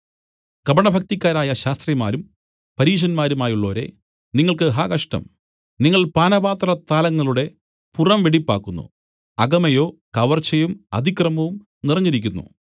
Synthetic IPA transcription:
kɐbɐɳɐbʱɐk̚t̪ikʲːaːɾaːjɐɕaːst̪rijmaːɾum | pɐɾiːʂ̬ɐnmaːɾumaːjuɭːo̞ːɾe̞̰ | niŋːɐɭkɨɦaːkɐʂʈɐ̰m | niŋːɐɭpaːnɐbaːt̪rɐt̪aːlɐŋːɐɭuɽe̞ | purɐmʋeɽipːa̰ːkːunːṵ | ɐɡɐmɐjoːkɐʋɐrt͡ɕɐjumɐ̰d̪ʱikrɐmɐʋum | nirɐɲːiɾikʲːunːṵ

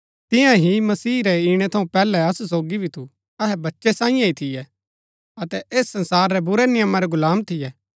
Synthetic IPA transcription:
t̪ɪ̃jãɦimɐsiːɾɛiɽ̃ɛt̪ʰɐũpɛːlɛɐsus̬oːɡibʱit̪ʰu | ɐɦɛbɐtːʃɛsãːĩjãɦit̪ʰɪjɛ | ɐt̪ɛʔeːsːɐ̃nsaːɾːɛbʊɾɛnɪjəmːaɾɛɡʊlaːmt̪ʰɪjɛː

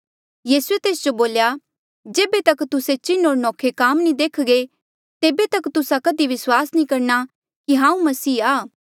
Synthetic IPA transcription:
jiːsuet̪eːsd͡ʒoboːlja | d͡ʒeːbet̪ɐkt̪ʊset͡ʃɪnoːɾnɔːkʰekaːmnĩd̪eːkʰɡe | t̪eːbet̪ɐkt̪ʊsakɐd̪iʋɪswaːsnĩkɐɾna | kiɦãːũmɐsiːaː

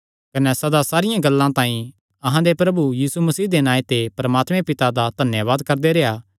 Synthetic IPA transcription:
kɐnɛsɐd̪asaːɾɪjãɡɐlːãt̪ãːĩ | ɐɦãd̪epɾɐbujiːsumɐsiːd̪enãːet̪epɐɾɐmaːt̪mẽpɪt̪ad̪ad̪ʱɐnjəʋaːd̪kɐɾd̪eɾeaː

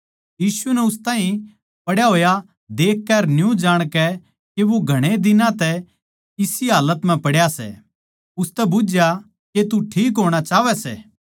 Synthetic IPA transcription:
jiːsunɛʊs̬t̪ãːɦĩ | pɐɽjaɦoːja | d̪eːkːɛɾnjũd͡ʒaːɽ̃kɛ | keʋoɡʱɐɽ̃ed̪ɪnãt̪ɛ | ɪsiɦaːlət̪m̤ɛ̃pɐɽjasɛ̰ | ʊst̪ɛbʊd͡ʒja | ket̪uʈʰiːkɦoːɽ̃at͡ʃaːʋɛsɛ̰ː

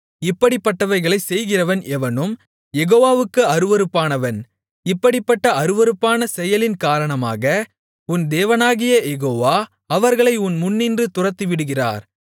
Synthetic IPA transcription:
ɪpːɐɽɪpːɐʈːɐʋɐɪɣɐɭɐɪsɛjɣɪrɐʋɐnʔɛʋɐnɯm | jɛɣoːʋaːʋɯkːɯɐɾɯʋɐɾɯpːaːnɐʋɐn | ɪpːɐɽɪpːɐʈːɐɐɾɯʋɐɾɯpːaːnɐsɛjɐlɪnkaːɾɐɳɐma̰ːɣɐ | ʊnd̪eːʋɐnaːɣɪjɐjɛɣoːʋaː | ɐʋɐɾɣɐɭɐɪʊnmʊnːindrɯt̪ʊrɐt̪ːiʋɪɽɯɣɪra̰ːɾ

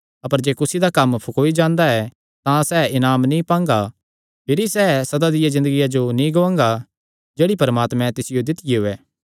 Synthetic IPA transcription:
ɐpəɾd͡ʒeːkʊsid̪akɐmpʰʊkoːid͡ʒãːnd̪aɛ | t̪ãsɛːɪnaːmnĩpãːŋɡa | pʰɪɾisɛːsɐd̪ad̪ɪjazɪ̃nd̪əɡɪjad͡ʒonĩɡoãːŋɡa | d͡ʒeːɽipɐɾəmaːt̪mɛ̃t̪ɪsɪjod̪ɪt̪ɪjiɦʊɛː

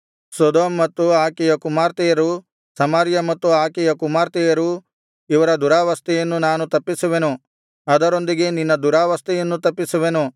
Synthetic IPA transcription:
sod̪oːmːɐt̪ːuaːkɛjɐkumaːɾt̪ɛjɐɾu | sɐmaɾjɐmɐt̪ːuaːkɛjɐkumaːɾt̪ɛjɐɾu | iʋɐɾɐd̪uɾaːʋɐst̪ɛjɐnːunaːnut̪ɐpːisuʋe̞nu | ɐd̪ɐɾo̞nd̪iɡe̞ninːɐd̪uɾaːʋɐst̪ɛjɐnːut̪ɐpːisuʋenu

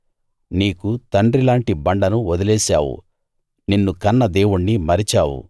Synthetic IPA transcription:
niːkut̪ɐɳɖɾilaːɳʈibɐɳɖɐnuɔd̪ɐlɛːsa̰ːwṵ | ninːukɐnːɐd̪e̞ːwuɳːimɐɾit͡ʃaːwṵ

